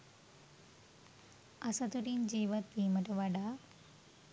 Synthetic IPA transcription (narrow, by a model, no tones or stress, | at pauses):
ɐsɐt̪uɾind͡ʒiːʋɐt̪ːiːmɐʈɐʋaɖa